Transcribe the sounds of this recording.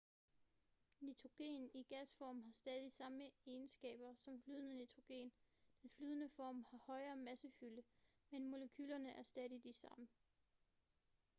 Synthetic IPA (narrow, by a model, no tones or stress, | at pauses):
nit͡sʰʁo̝ɡ̥e̝̰ːniɡ̥æsfɒ̰ːmɦɑ̈sd̥ɛːðˠisɑ̈məe̝ːnsɡ̥ɛ̰ːb̥ɐsɒ̽mflyð̞ˠənənit͡sʰʁo̝ɡ̥e̝̰ːnd̥enflyːðˠənəfɒ̰ːmhɑ̈hɒ̽ɪɐːmæsəfyləmenmo̝ləkʰyːlɐnəʔæɐsd̥ɛːð̞ˠid̥isɑ̈mə